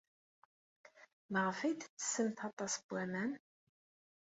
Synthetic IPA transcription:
məʁfid̪t͡sːə̥səmθɑt̪ˤɑsəb̥ʷːæmæn

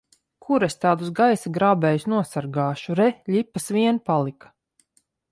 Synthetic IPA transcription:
kʰuɾest̪aːd̪usɡajsaɡɾaːbɛːjsnuɔsaɾɡaːʃuɾɛʎʲipːasvʲiɛnpalˠikḁ

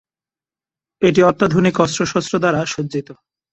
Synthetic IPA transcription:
eʈ̬iɔt̪ːad̪ʱonikɔstɾoʃɔst̪ɾod̪aɾaʃod͡ʑːd͡ʑit̪o

